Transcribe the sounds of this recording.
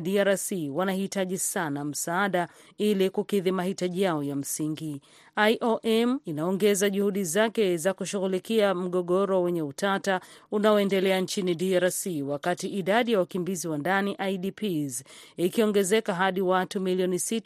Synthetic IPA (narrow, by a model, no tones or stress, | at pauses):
ɗiaɾsiwanahitaʄisanam̩saaɗa | ilikukiðimahitaʄijaɔjam̩siŋɡi | ajʔɔʔɛminaɔŋɡɛzaʄuhuɗizakɛzakuʃuɣulikiam̩ɠɔɠɔɾɔwɛɲɛutata | unaɔɛndɛlɛant͡ʃiniɗiaɾasiwakatiʔiɗaɗijawakimbiziwandaniʔajɗipʰizikiɔŋɡɛzɛkaɦaɗiwatumiliɔnisit